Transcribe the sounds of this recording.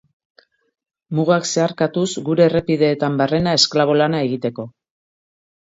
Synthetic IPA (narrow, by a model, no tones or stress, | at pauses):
muɣakse̞aɾkat̪usɡuɾe̞ːre̞piðe̞ːt̪ambare̞nae̞sklaβ̞o̞lanae̞ɣit̪e̞ko̞